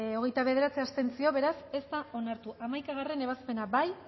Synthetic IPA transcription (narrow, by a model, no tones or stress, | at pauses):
o̞ɣ̞e̞jt̪aβe̞ð̞e̞ɾat͡seast̪e̞nt͡sio̞βe̞ɾase̞st̪ao̞naɾt̪uʔamajkaɣ̞are̞ne̞β̞aspe̞nabaj